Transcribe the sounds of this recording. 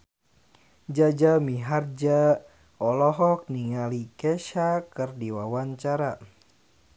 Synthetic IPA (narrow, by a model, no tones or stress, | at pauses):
d͡ʒad͡ʒamiɦard͡ʒa | ɔlɔɦɔk̚niŋalikɛʃakɨrdiwawaɲt͡ʃaɾa